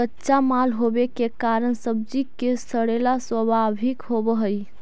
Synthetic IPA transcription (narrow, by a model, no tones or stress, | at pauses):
ətːʃamalɦobekekaɾəɳsəb̚d͡ʒikesəɽelaswəbʱabʱikɦobəɦəj